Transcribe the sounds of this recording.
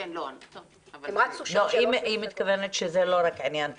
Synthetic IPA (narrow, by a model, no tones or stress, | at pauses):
imad̪suloimimːit̪kavenet̪ʃezelo̞ɾakʕinjan